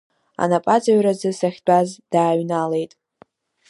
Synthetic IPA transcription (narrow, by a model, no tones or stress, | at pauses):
a̰napʼat͡sʼaɥrazɨsaχʲt͡pʷʼazd̥aːɥnale̞jtʼ